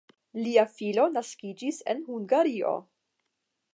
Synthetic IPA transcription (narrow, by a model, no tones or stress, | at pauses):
liafilo̞naskid͡ʒise̞̰nhuŋɡaɾio̞̰